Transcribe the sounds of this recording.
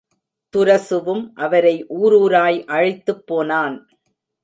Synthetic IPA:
t̪ʊɾɐsɯʋɯmʔɐʋɐɾɐɪʔuːɾuːɾaːjʔɐɻɐɪt̪ːɯpːoːnaːn

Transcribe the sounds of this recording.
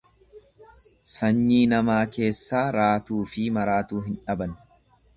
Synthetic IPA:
sɐɲːiːnɐmaːke̞ːsːaːɾaːt̪uːfɪmɐɾaːt̪uːɦɪnᶑɐbɐn

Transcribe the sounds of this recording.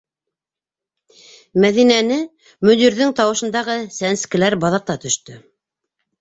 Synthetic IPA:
mæðinænɘ | mɵ̆d̪iɾðɘŋt̪ɑwɤ̆ʃɤ̆nd̪ɑʁɤsænskɘ̆læɾbɑðɑq̚t̪ɑt̪ɵ̆ʃt̪ɵ

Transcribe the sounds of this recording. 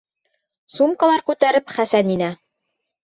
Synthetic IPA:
sumkɑlˠɑɾkʉt̪æɾɘpχæsæninæ

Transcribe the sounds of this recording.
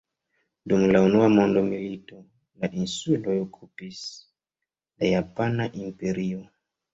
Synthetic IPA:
dumlaunuamo̞ndo̞milito̞ | laʔinsulo̞jokʰupis | lajapanaʔimpe̞ɾio

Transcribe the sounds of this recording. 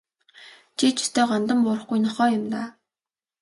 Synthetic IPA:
t͡ɕʰit͡ɕʰi̥st̪eːɢɔnt̪ə̆mpʊːɾə̆χɡujnɔχɔːjʊmt̪aː

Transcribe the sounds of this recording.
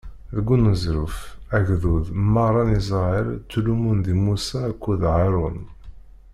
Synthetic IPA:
ðəɡːunːəzɾʊfæʝðuðmɑɾˤɑnizˤɑiɾt͡sːlumund̪imusaːkʷːuðʕɑɾˤʊn

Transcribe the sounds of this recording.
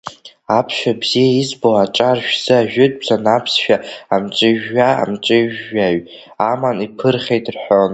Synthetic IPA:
apʰʃᶣabz̥ijaizbowaʈ͡ʂʼarʃᶣz̥ɨaʒᶣʏtʼzanapʰsʃᶣaamt͡ʃʼɪʒːaa̰mt͡ʃʼɪʒːaɥ | amanipʰɨrχʲejtʼrħʷon

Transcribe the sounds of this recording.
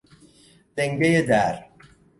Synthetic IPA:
d̪̥eŋɡejed̪æɾ

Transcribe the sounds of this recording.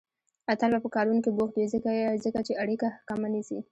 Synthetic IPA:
at̪albapəkɑɾunkiboxt̪izəkazəkat͡ʃeʔaɽikahakamanisḭ

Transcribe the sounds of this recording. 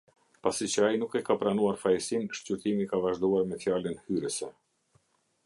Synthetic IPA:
pasit͡ɕəainukɛkapɾanuaɾfajsinʃcyɾt̪imikavaʒd̪uaɾmɛfjalənhyɾəsɛ

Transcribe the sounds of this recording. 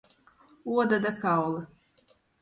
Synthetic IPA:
uɔd̪ad̪akawlˠɨ

